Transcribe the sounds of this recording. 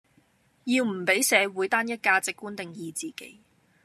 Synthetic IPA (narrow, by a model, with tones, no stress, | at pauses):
jiː˧wm̩˨˩pe˨˥jsɛː˨˧wuː˨˥jt̪aː˥njɐ˥t̚kaː˧t͡sɪ˨kːuː˥nt̪ɪ˨ŋjiː˨˧t͡siː˨kḛ˨˥j